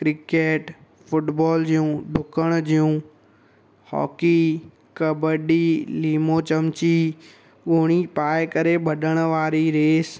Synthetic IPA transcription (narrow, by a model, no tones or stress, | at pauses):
kɾɪkeːʈ | fʊʈbɔːld͡ʑijũɖʱʊkəɽ̃d͡ʑijũ | hɔ̰ːki | kɐbəɗiliːmot͡ɕɐmt͡ɕi | ʊɦɽ̃ipaːɪkɐɾeɓɐɗəɽ̃ʊ̆ʋaːɾiɾeːs